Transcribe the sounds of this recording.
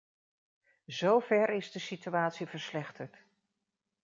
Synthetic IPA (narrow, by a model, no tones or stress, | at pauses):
zowvɛɹɪzdəsityaːtsivəɹslɛχtəɹt